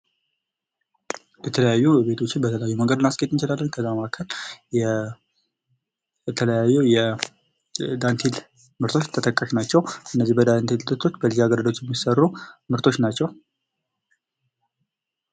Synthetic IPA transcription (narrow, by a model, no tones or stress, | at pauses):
jɛt̪ʰələjajːube̞t̪ʰo̞t͡ʃːɪnbət̪ʰələjajːuməŋɡəd̪ɨnasɡət̪ʼːɨnt͡ʃɪlalːənkʰəzːaməʔakʰəljɛ | ɛt̪ʰələjajːujɛ | d̪ant̪ʰil | mɨɾt̪ʰo̞t͡ʃːt̪ʰət̪əkʼːəʃnat͡ʃːɛwʔɨnːəzːihbəd̪ant̪ʰilt̪ʼɨt̪ʰo̞t͡ʃːbəlizaɡəɾəd̪ot͡ʃjɛmːisərːumɨɾt̪ʰo̞t͡ʃːnat͡ʃːɛw